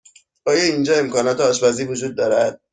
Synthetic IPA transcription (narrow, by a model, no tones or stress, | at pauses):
ɒːjɒind͡ʒɒːe̞mkɒːnɒːt̪eɒːʃbæziːvod͡ʒuːd̪ːɒːɾæd̪̥̚